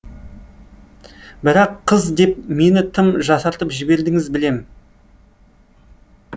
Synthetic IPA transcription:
bɪɾɑqʰːəzd̪e̞p̚me̞nɪt̪ʰɪmʒɑsɑɾt̪əpʒɪbe̞ɾd̪ɪŋɪzbɪle̞m

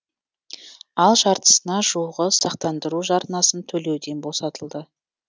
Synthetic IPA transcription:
ɑlˠʒɑɾt̪ə̥sənɑʒuʁəsɑqt̪ɑnd̪əɾuʒɑɾnɑsənt̪ʰɵle̞wd̪e̞nbo̞sɑt̪əlˠd̪ə

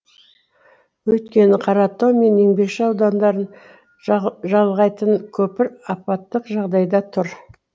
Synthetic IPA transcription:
wɵjt̪kʲe̞nɪqʰɑɾɑt̪ːome̞ne̞ŋbe̞kʃɪɑwd̪ɑnd̪ɑɾən | ʒɑlˠʁɑjt̪ənkʲʰɵpɪɾɑpɑt̪ːəqʒɑʁd̪ɑjd̪ɑt̪ʰʊɾ

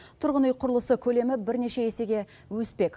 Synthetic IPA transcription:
t̪ʰʊɾʁənujqʰʊɾəlˠəsəkʲʰɵle̞mɪbɪɾne̞ʃe̞ese̞ɡʲe̞ | wɵspe̞k

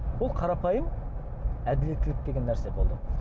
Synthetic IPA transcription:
bʊlˠqʰɑɾɑpʰɑjəm | æd̪ɪle̞t̪ːɪlɪk̚d̪e̞ɡʲe̞nːæɾse̞bo̞lˠd̪ə

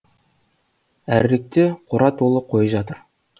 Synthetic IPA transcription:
æɾɾek̚t̪eqʰʊɾʔɑt̪ʰolˠəp̚qʰojəʒɑt̪əɾ

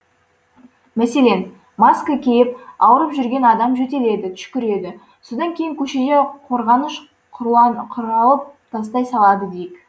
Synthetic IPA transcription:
mæse̞le̞n | maskəkʲʰejɪp̚ɑwəɾəpʒʏɾɡʲe̞nɑd̪ɑmʒɵt̪e̞le̞d̪ɪt̪ʰʏ̥ʃkʲɪɾe̞d̪ɪ | so̞d̪ɑŋkʲe̞jɪŋkʲʰɵʃe̞d̪e̞qʰo̞ɾʁɑnəʃ | qʰɑqʰʊɾɑlˠəp̚t̪ʰɑst̪ɑjsɑlˠɑd̪əd̪e̞jɪk

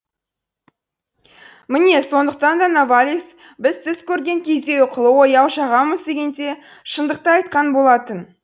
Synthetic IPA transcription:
mɪne̞so̞nd̪əq̚t̪ɑnd̪ɑnavalʲis | bɪzt̪ʰɪzkʲʰɵɾɡʲe̞ŋkʲʰe̞zd̪e̞ʊqʰəlˠəwojɑwʃɑʁɑməzd̪e̞ɡʲe̞nd̪e̞ | ʃənd̪əq̚t̪əɑjt̪̚qɑnbo̞lˠɑt̪ən

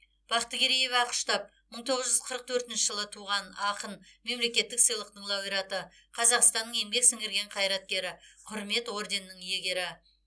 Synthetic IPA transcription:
b̥ɑqə̥t̪ːəɡʲeɾije̞vɑqə̥ʃt̪ɑp̚ | məɴt̪ʰo̞ʁəzʒʏzqʰəɾəq̚t̪ʰɵɾt̪ɪnʃɪʒəlˠət̪ʰuʁɑnɑqənme̞mle̞kʲe̞t̪ːɪksəjlˠəq̚t̪əɴlˠɑwijɾɑt̪ə | qʰɑzɑqst̪ɑnːəɴe̞mɡʲe̞ksɪŋɡʲɪɾɡʲe̞ɴqʰɑjɾɑt̪̚kʲe̞ɾɪqʰʊɾme̞t̪wo̞ɾd̪e̞nːəɴje̞ɡʲe̞ɾɪ

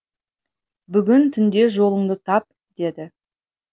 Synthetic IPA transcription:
bʏɡʲɪnt̪ʰʏnd̪e̞ʒo̞lˠəɴd̪ət̪ʰɑp̚ | d̪̥e̞d̪ɪ

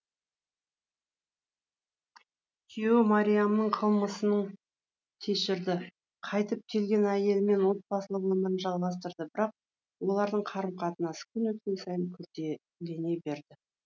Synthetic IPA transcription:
tʲʰio̞maɾʲijamənəɴqʰəlˠməsənəɴ | t̪ʲʰe̞ʃɪɾd̪ɪ | qʰɑjt̪əp̚kʲʰe̞lɡʲe̞næje̞lɪme̞nwo̞t̪̚bɑsəlˠəqwʏmɪɾənʒɑlˠʁɑs̬t̪əɾd̪əbɪɾɑq̚ | wo̞lˠɑɾd̪əɴqʰɑɾəmqʰɑt̪ənɑsə̥kʲʰʏnwɵt̪̚kʲe̞nsɑjəŋkʲʰʏɾt̪e | le̞ne̞be̞ɾd̪ɪ

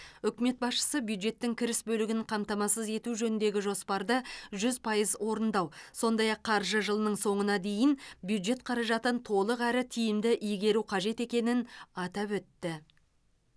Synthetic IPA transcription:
ʏkʲɪme̞t̪̚bɑsʃə̥səbjuwd̪ʒe̞t̪ːɪŋkʲʰɪɾɪsbɵlɪɡʲɪɴqʰɑmt̪ɑmɑsəze̞t̪uʒɵnɪnd̪e̞ɡʲɪʒo̞spɑɾd̪əʒʏzpʰɑjəzwo̞ɾənd̪ɑwso̞nd̪ɑjɑqʰːɑɾʒəʒəlˠənəɴso̞ɴənɑd̪e̞jɪnbjud̪ʒe̞t̪̚qʰɑɾɑʒɑt̪ənt̪ʰo̞lˠəqæɾɪt̪ʰijɪmd̪ɪʔijɡʲe̞ɾuqʰɑʒe̞t̪e̞kʲe̞nɪnɑt̪ɑpwɵt̪ːɪ

